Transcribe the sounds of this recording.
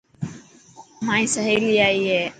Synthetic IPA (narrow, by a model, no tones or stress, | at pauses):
mãːĩːsəɦeːliːaːiːɦeː